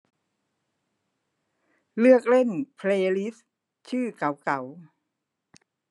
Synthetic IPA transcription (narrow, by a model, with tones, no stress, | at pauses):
lɯ˥˩ək̚le˥˩npʰleː˧li˦˥s | t͡ɕʰɯː˥˩ka˨˩˦wka˩˦w